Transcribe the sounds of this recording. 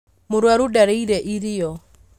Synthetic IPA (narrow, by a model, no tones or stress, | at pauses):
mʊɾwaɾudaɾeiɾɛʔiɾijɔ